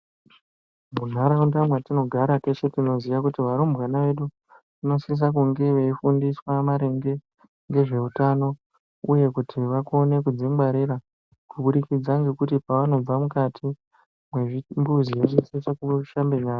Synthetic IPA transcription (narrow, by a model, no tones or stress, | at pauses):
munaɾaundamwatino̞ɡʱaɾate̞t͡ʃe̞tino̞ziʋakutiʋaɾombwanaʋe̞ɗu | ʋino̞sis̬ak̬uŋɡe̞ʋe̞ifundiswamaɾe̞ŋɡe̞ | ŋɡe̞ʐe̞utano̞ | uje̞kutʰiʋakone̞kud͡zimbaɾiɾa | kuɓuɗikid͡zaŋɡekutipaʋano̞b͡vamukatʰi | mweimbuzijeʐiset͡ʃakuʃambe̞ɲaːa